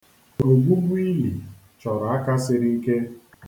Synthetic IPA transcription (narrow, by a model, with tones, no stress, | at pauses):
o˨ɡʷu˦mʷ˦i˦li˨ | t͡ʃɔ˨ɾɔ˨a˦ka˦sɪ˦ɾɪ˦ŋ̩˦ke˦